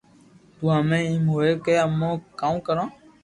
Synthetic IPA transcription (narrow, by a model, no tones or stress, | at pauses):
tuãmɛ̃ĩmoekɛamɔ̃kãũkəɾɔ̃